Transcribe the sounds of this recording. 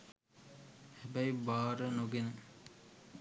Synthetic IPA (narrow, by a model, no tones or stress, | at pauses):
hæbæjbaːɾənuɡenə